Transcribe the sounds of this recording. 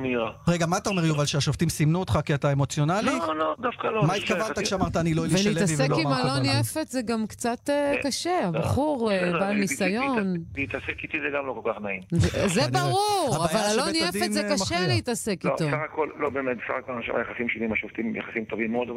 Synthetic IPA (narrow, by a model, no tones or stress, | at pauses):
miʁaʁeɡamaat̪aome̞ʁjuvalʃeaʃoft̪imsimnuot̪χakiat̪aemo̞t͡sjonalilod̪afkalomaitkavalt̪akkʃeamaʁt̪aːniloiliveʃlieiletavsvekimaloniefet̪zeɡamkt͡sat̪ekaʃeabaχuʁebalnisajo̞niit̪asekit̪izeɡamlokolkaχnaimvzebaʁuʁaavalaloniedifetmzekaʃeleit̪asekiot̪osaχakollobeːmet̪sa̰χakolaʃḭma̰jaχasimʃovimaʃoft̪imja̰χasimt̪ovimːeod̪ov